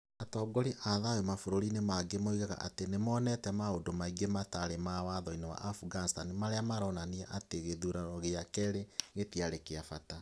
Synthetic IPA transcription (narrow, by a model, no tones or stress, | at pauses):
atɔːɡɔɾiʔaðajomafoɾoɾinemaɡemoiɣaɣa̰ʔa̰tenemɔːnɛtɛmaodomaiɡemataɾemawaðɔinewa̰ʔafuɡanstanimaɾeamaɾɔnaniaʔateɣeðuɾaɔɣeakɛɾeɣetiaɾekeafata